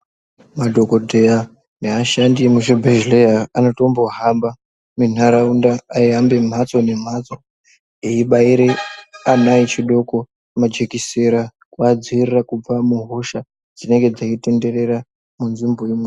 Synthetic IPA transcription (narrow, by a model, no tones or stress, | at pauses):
madʱo̞ko̞dʱeja | neaʃandimuʃebʱeʒlejaano̞to̞mbo̞ɦamba | min̤aɾaundaːiɦambe̞m̤at͡so̞ne̞m̤at͡so̞ | eiɓaiɾe̞amait͡ʃiɗo̞ko̞ | mad͡ʒe̞kiseɾa | kwaːd͡ziirirakub͡vamuɦo̞ʃa | d͡zine̞ŋɡe̞d͡zaite̞nde̞re̞ɾa | munzimboimwe